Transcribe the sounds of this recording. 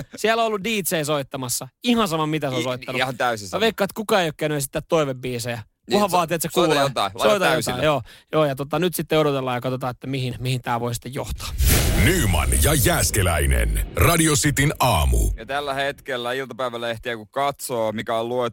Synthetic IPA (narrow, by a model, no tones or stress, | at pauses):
siælːoolːudiːt̪seisoit̪ːɑmɑsːɑihɑnsɑmɑmit̪æseosoit̪ːɑnut̪æysiɑʋeikːɑːt̪kukɑejokːeːnoisi̥t̪ːæt̪toiʋebbiːsejɑ | uhɑʋʋɑːt̪iet̪sekuːlt̪ɑsoit̪ɑæjosɑjoːjoːjɑt̪ot̪ːɑnyt̪sit̪ːeoɾot̪elːɑːjɑkɑt̪ot̪ɑːet̪ːæmihinmihint̪æːʋoisi̥t̪ːejjoht̪ɑ̥ːnyːmɑ̰njɑjæːskelæ̰inḛnrɑdiosit̪inʔɑːmṵjɑt̪ælːæhet̪kelːæilt̪ɑpæiʋælːæeht̪iækukɑt̪soːmikæolluet̪